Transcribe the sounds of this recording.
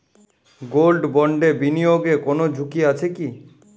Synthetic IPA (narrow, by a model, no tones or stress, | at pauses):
ɡolɖbɔɳɖebinijoɡekonod͡ʑʱukiat͡ɕʰeki